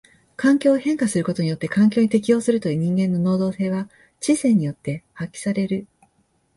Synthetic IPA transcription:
kãŋkʲo̞ːhẽ̞ŋkasɨɾɯ̟ko̞t̪o̞ɲ̟ijo̞t̪ːe̞kãŋk̬ʲo̞ːɲ̟it̪e̞kʲijo̞ːsɨɾɯ̟t̪o̞iːɲ̟ĩŋɡẽ̞nːo̞no̞ːd̪o̞ːse̞ːβa | t͡ɕisẽ̞ɲ̟ijo̞t̪ːe̞hakʲːi̥saɾe̞ɾɯ̟

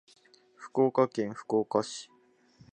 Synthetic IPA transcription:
ɸɯ̟̥koːkakẽŋ̃ɸɯ̥koːkaɕi̥

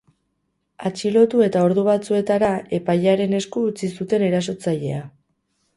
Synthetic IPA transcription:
at͡ʃilo̞t̪ue̞t̪ao̞ɾðuβat͡sue̞t̪aɾae̞pajaɾe̞ne̞skuːt͡sisut̪e̞ne̞ɾas̬o̞t͡saʎe̞̰a

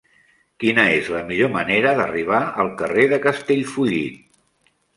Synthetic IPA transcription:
kinəezləmiʎoməneɾəðəriβ̞aəlˠkəreðəkəst̪eʎfuʎit̪

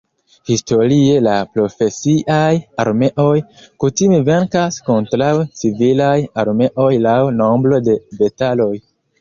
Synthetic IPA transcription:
histo̞ɾie̞lapɾo̞fe̞siʔaja̰ɾme̞ʔo̞jkutime̞ve̞ɾkasko̞ntɾawt͡sivilajaɾme̞ʔo̞jlawno̞mbɾo̞de̞betalo̞j

